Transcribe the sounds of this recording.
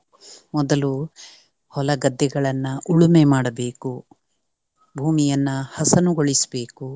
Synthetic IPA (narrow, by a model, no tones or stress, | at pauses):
mɔd̪ɐlu | hɔlɐɡɐd̪ːɛɡɐɭɐnːɐʔuɭumemaːɽɐbe̞ːku | bʱuːmijɐnːɐhɐsɐnuɡoɭisɐbe̞ːku